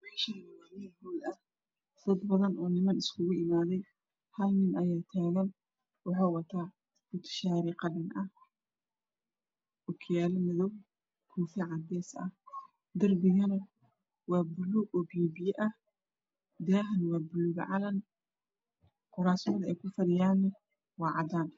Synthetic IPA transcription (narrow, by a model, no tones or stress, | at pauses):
mɛːʃnɐwaːmihuːlɐ | d̪̥ɐd̪bɐðɐnʔɔːnɪmɐnɪskʰʊɣʊʔɪmaːðɛj | hɐlnɪnʔɐjaːt̪ʰaːɣɐn | wɑħaːwɐt̪ʰaː | kʰʊt̪ʰɐ̥ʃaːɾiqɐɖɐnʔɐh | ʔʊkʰjaːlɐmɪðɔw | kʰuːfɛʕɑd̪ɛːsɐ̰h | d̪ɐrbɪɣɐnɐ | wɑːbʊluɡɔbiːbɪjɛʔɐh | d̪aːɦɐnwɑːbʊluːɣɐ̰ʕɑlɐn | qʊɾaːsmɐðɐɛjkʰʊfɐɾɪjaːnːɐ | wɑːʕɑd̪aːn